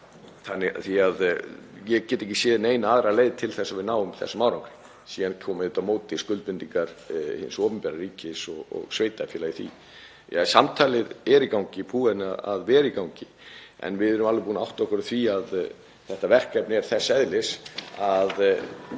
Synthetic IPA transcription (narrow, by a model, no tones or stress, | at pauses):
θanːɪθiaðjɛcɛːt̪ɪehcːɪ̥sjɪːðɪnejnaaːðɾaleːjðt̪ʰɪlθɛsːavɪðnaːwʏmθɛ̰samaːwɾawŋkɾɪ̥ | siːankʰɔːmɪðʏt̪amoːwt̪ɪskʏlt̪pɪnt̪iŋkaɾhɪ̰nsɔːpʏmpɛɾaɾiːcɪsɔɣɔ̰ɣsveːjt̪afɛːlajɪθḭ | jasamt̪ʰaːlɪðɛɾikawɲcɪpʰuːɛnaa̰ðvɛːɾikawɲcɪ | ɛ̰nvɪðɛɾʏmalvɪpuːnaa̰wht̪ɔhkʏɾθviað | θɛht̪avɛr̥kɛpnɪɛɾ̥θɛsːɛðlɪsað